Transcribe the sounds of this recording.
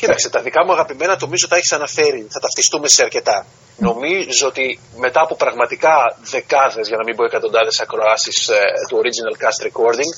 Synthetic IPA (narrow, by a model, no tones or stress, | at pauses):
cit̪ɐksit̪ɐðikɐmuɐɣɐpime̞nɐt̪o̞mizoθeçi̥sɐnɐfe̞ɾiθɐt̪ɐft̪ist̪ume̞seɐɾce̞t̪ɐ | no̞mizot̪i | me̞t̪ɐːpo̞pɾɐɣmɐt̪ikɐðe̞kɐðe̞zʝɐnɐmimboe̞kɐt̪o̞nd̪ɐðe̞sɐkɾo̞ɐsist̪uo̞ɾizinɐlkɐst̪ɾeko̞ɾd̪iŋɡ